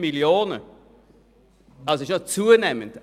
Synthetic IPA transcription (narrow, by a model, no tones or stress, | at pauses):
miljoːnə | asoɪʃnɔt͡suːənɛmənt